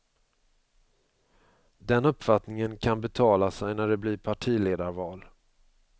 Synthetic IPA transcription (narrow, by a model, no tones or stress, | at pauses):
d̪ɛnɵpːfat̪nɪŋənkʰanbɛt̪ʰɑːlasɛjnæɖɛblɪɾpʰaʈʰiːleːd̪aɾvɑːl